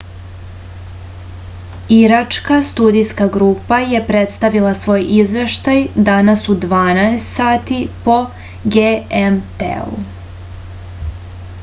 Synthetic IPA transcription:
iɾat͡ʃkast̪uːd̪ijskaɡɾuːpaje̞pɾe̞t̪st̪aʋilˠasʋo̞ːjʔizʋe̞ʃt̪ajd̪anasud̪ʋaːnaest̪saːt̪ipo̞ | ɡeemt̪ḛṵ

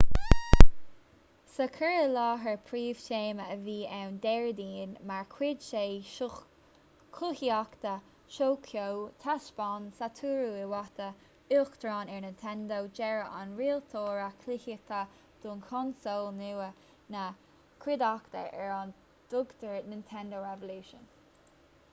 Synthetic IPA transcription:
səkʰəɹəlɑːɦəɹpʰɹiːv̥teːməəviːʔɛwnd̪ɛɹd̪iːnmaɹkʰwɪd̪ʃeː | kʰuhiakt̪ə | ʃoːkʰjowt̪ʰaʃb̥ɑnsat̪ʰuːɾuɪwɑt̪ə | ʊxt̪ʰɾɑːnɛɹnɪntʰɛnd̪owd͡ʒɛɹəʔanɹiːlt̪ʰoːɹakʰlɪhətʰa | d̥uːnkʰɔnsoːlnuə | nə | kʰwɪd̪akt̪ə̰ʔɛɹɑn | d̪̥ʊɡt̪ʰəɹnɪnt̪ʰɛnd̪oɹɛvəluːʃə̰n

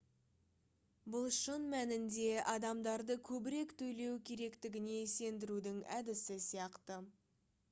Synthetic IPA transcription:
bʊlˠʃənmænɪnd̪e̞ʔɑd̪ɑmd̪ɑɾd̪əkʲʰɵbɪɾe̞kt̪ʰɵjle̞wkʲʰe̞ɾe̞kt̪ɪɡʲɪne̞se̞nd̪ɪɾud̪ɪŋæd̪ɪsɪsijɑqt̪ə

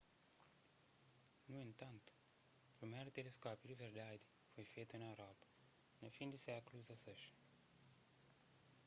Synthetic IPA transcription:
nuint̪ant̪ | pɾimɛɾt̪eleskɔpiliveɾd̪ajd̪ | fojfet̪ɨnaɾab | nɐfind̪iseakluzɐseʃ

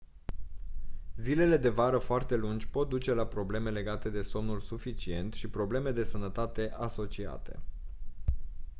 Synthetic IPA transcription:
zile̞le̞d̪e̞vaɾəfoart̪e̞lund͡ʒʲpo̞t̪̚d̪ut͡ʃe̞lapɾo̞ble̞me̞le̞ɡat̪e̞d̪e̞so̞mnulsufit͡ʃie̞nt̪ʃipɾo̞ble̞me̞d̪e̞sənət̪at̪e̞ʔaso̞t͡ʃia̰t̪e̞̰

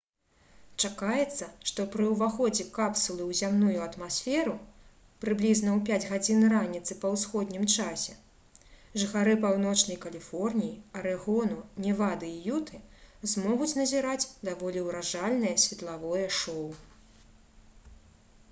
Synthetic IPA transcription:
t͡ʂakajɛt̪sːɐʂt̪ɔpɾɨuvaxɔd͡zʲɛkapsulˠɨwzʲamnujuɐt̪masʲfʲɛɾu | pɾɨblʲiznɐwpʲad͡zʲɣad͡zʲinranʲit̪sɨpɐwsxɔd̪ʲnʲimt͡ʂasʲɛ | ʐɨxaɾɨpawn̪ɔt͡ʂnɐjkɐlʲifɔrnʲijiɐɾɛɣɔnunʲɛvad̪ɨijut̪ʰɨzmɔɣut͡sʲnɐzʲiɾat͡sʲd̪avɔlʲiwɾaʐalʲnɨjɐsʲvʲɛt̪lˠavɔjɐʂɔw

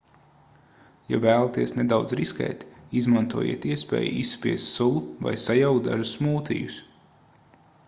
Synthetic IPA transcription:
ja̰væːlˠat̪iɛsned̪awd̪zɾiskɛ̰ːt̪izmant̪uɔjḭɛt̪iɛspɛ̰ːj̰issːpʲiɛst̪sulˠuva̰jsajawkd̪a̰ʒusmuːt̪ḭjus

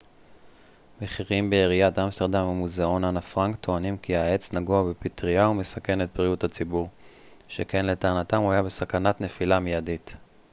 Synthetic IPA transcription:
meχiʁimbeiʁiat̪amsteʁd̪amamːuzeo̞nanafʁaŋkt̪ʰo̞animkiae̞t͡snaɡuabepitʁiaume̞sake̞net̪̚bʁijuthat͡sibuʁ | ʃeke̞nle̞taːnatamuajabe̞sakanatne̞filamijadit

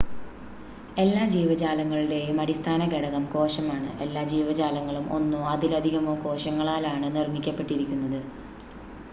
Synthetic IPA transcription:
e̞lːaːd͡ʑiːʋɐd͡ʑaːlɐŋːɐɭiɽe̞jumɐɽist̪ʰaːnɐkeɽɐɣɐmko̞ːɕɐmaːɳɨ̰e̞lːaːd͡ʑiːʋɐd͡ʑaːlɐŋːɐɭumo̞̰nːuɐd̪ilɐd̪ʱiɣɐmoːko̞ːɕɐŋːɐɭaːlaːɳɨnirmikʲːɐpːe̞ʈːiɾikʲːunːɐðɨ

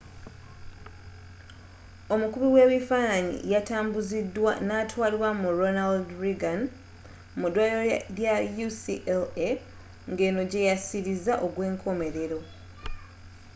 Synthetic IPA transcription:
o̞mukuβiwe̞ːβifaːnaɲḭjataːmbuzidːwanatwaːliwamuɾonaldɾiɡan | mudwaːloɾjajusiʔele | ŋɡe̞ːno̞ɟe̞jasiɾizaʔo̞ɡwe̞ːŋkʰo̞me̞ɾe̞ɾo̞

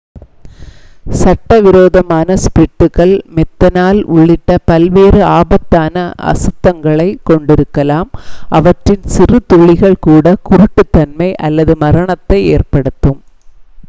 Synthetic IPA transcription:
sɐʈːɐʋɪɾoːðɐmaːnɐspɾɪʈːɯɣɐɭmɛt̪ːɐnaːlʔʊ̰ɭːɪʈːɐpɐlʋeːɾɯaːbɐt̪ːaːnɐɐ̰sɯt̪ːɐŋɡɐɭɐɪkɔɳɖɪɾɯkːɐlaːmʔɐʋɐʈrɪnsɪrɯt̪ʊɭɪɣɐɭkuːɽɐkʊɾʊʈːɯt̪ːɐnmɐɪʔɐlːɐðɯmɐɾɐɳɐt̪ːɐɪeːrpɐɽɯt̪ːɯm

